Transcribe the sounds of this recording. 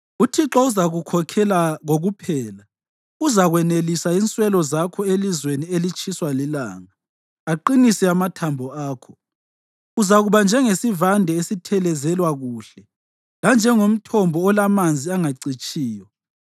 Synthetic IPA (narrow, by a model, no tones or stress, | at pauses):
utʰiǁɔuzaɣukʰɔkʰɛlaŋoɣupʰɛːla | uzaɣwɛnelisaint͡sʼwɛlɔzakʰɔelizwenielit͡ʃʼiswalila̰ːŋaː | ǃinisɛamatʰambʱɔaːkʰɔ̥ | uzaɣuβand͡ʒʱɛŋesivandʱɛesitʰɛlɛzɛlwaɣuːɬɛ | land͡ʒʱɛŋom̩tʰɔmbʱɔːlamand͡zʱiaŋaǀit͡ʃʼiːjɔ